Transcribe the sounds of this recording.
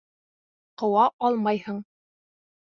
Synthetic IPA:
qɤ̆wɑʔɑlˠmɑjhɤɴ

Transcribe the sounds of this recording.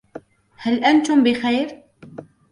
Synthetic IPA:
həlʔænt̪umbɪxæjɾ

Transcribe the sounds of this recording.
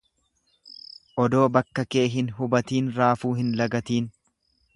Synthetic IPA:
ʔɔd̪o̞ːbɐkːɐke̞ːɦɪnɦʊbɐt̪iːnɾaːfuːɦɪnlɐɡɐt̪iːn

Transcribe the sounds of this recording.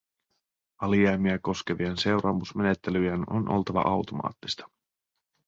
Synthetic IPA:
ɑliɑjmiæko̞sk̟e̞ʋiense̞wɾɑːmusme̞ne̞t̪ːelyjæno̰nʔo̞̰lt̪ɑʋɑ̰ʔɑwt̪o̞mɑ̰ːt̪ːi̥st̪ɑ̥

